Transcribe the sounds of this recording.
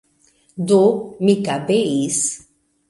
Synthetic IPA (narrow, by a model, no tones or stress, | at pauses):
d̪umikabeis